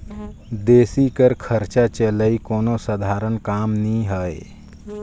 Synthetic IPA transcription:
d̪eːsikəɾkʰəɾt͡ʃat͡ʃələikoːnosəd̪ʱaːɾənkaːmnĩɦəe

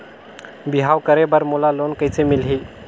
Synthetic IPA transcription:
biɦawkəɾebəɾmulalonkəjt͡semilɦi

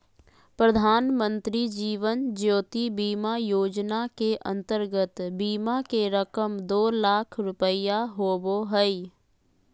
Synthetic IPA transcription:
pɾəd̪ʱaːnmə̃nt̪ɾid͡ʒiːʋənd͡ʒoːt̪ibiːmajoːd͡ʒnakeʔə̰̃nt̪əɾɡət̪biːmakeɾəkəmd̪oːlaːkʰɾʊpəijaɦoːboɦəi

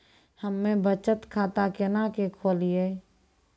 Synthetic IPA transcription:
həmːẽbət͡ʃət̪kʰaːt̪akɪnakekʰoːlije

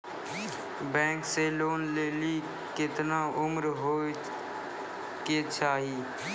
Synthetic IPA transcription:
bɛ̃ːŋkseːloːnleːliː | kɪt̪naːʔʊmɾɦoː | keːt͡ʃʰaːɦiː

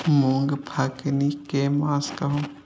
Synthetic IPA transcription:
muːŋɡpʰaknikeːmãːskɐɦũ

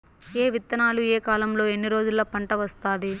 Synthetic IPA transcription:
eːʋit̪ːɐnaːlueːkaːlɐmlo̞ːe̞nːiɾo̞ːd͡ʒulːɐpɐɳʈɐʋɐst̪aːd̪i

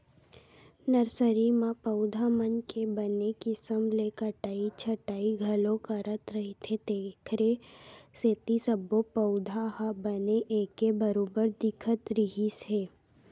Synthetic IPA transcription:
nəɾsəɾimãpəʊd̪ʱamənkebənekisəmlekəʈaːit͡ʃʰəʈaːiɡʱɐlõkaɾət̪ɾəɦit̪ʰed̪eːkʰɾeseːt̪isəbːopəʊd̪ʱaɦabəneʔeːkebəɾoːbəɾd̪ɪkʰət̪ɾɪɦisɦeː

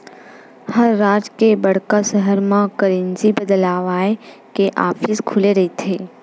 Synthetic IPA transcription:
həɾːaːd͡ʒkebɐɽ̤kasəɦəɾmãkəɾẽnzibəd̪laːʋaːekeʔaːfɪskʰʊleɾɐɦit̪ʰeː

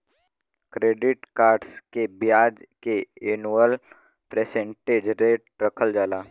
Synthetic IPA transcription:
kɾeːɖɪʈkaːɾɖskebɪjaːd͡ʒkeenuəl | pɾeːsẽɳʈeːd͡ʒɾeːʈɾəkʰəld͡ʒaːlaː

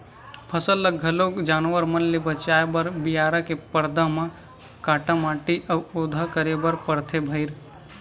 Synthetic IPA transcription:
pʰəsəlːəɐlokd͡ʒaːnʋəɾmɐnlebɐt͡ʃaːebəɾbɪjaːɾãkepəɾd̪ãmã | kaːʈãmaːʈiʔɐwod̪ʱakəɾebəɾpəɾt̪ʰebʱɐɪɾ

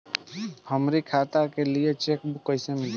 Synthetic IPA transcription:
həmɾikʰat̪akelijet͡ʃek̚bukːəjsemil

